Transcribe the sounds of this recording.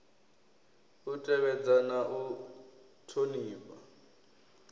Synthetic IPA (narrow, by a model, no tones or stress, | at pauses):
utʼɛβɛd͡zanaʔu | tʰoniːβa̰